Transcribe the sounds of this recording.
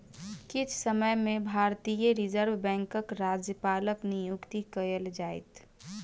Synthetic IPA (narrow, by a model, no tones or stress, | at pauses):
kɪt͡ʃʰsəməjmẽbʱaːɾt̪ijəɾid͡ʒəɾʋbɛ̃ːŋkəkɾad͡ʒjəpaːləknijukt̪ikəəld͡ʒajt̪